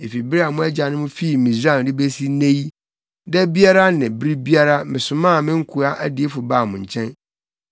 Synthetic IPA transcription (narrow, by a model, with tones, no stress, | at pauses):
e˨fi˨bɾi˦a˨mʊ̃˦æ˦d͡ʑa˨nɪ̃˦mʊ̃˦fi˦˨mĩ˨zã˦˨n˨dɪ˦be˦si˦nẽ˦ji˦ | dɛ˦bi˦a˦ɾa˦nɪ̃˨bɾi˦bi˦a˦ɾa˦mɪ̃˨sʊ˨mã˦˨mɪ̃˦ŋ̩˦kʰu˨a˦ʔæ˦dɪ˨e˦fʊ˨baː˦˨mʊ̃˨ɲ̩˨t͡ɕʰɛ̃˦n